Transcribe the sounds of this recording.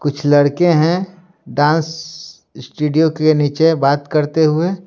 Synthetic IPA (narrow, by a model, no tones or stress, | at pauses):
kʊt͡ʃʰlɐɽkeɦɛ̃ | ɖãːns | sʈuːɖijokeniːt͡ʃebaːt̪kɐɾt̪eɦʊe